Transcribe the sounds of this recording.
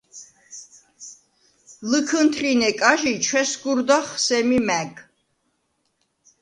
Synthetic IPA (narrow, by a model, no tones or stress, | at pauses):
lɨkʰɨnt̪ʰrinɛkʼaʒit͡ʃʰwɛsɡuɾd̪aχsɛmimɛɡ